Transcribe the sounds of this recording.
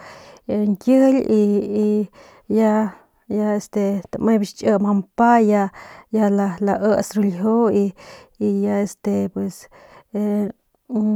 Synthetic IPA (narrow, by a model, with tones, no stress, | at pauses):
eŋkjə˦li˧i˧ | ja˦ | ja˧e˧st̪e˧t̪a˨mẽ˦bi˧ʃt͡ʃʔə˧ma˧mpa˦ja˧ja˧la˧la˧ʔə˦sɾu˧lɦo˦i˧i˧ja˧e˧st̪e˧pwe˨se